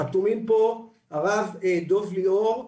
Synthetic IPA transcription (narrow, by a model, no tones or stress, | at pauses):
at̪umimpo | aʁaved̪oflioʁ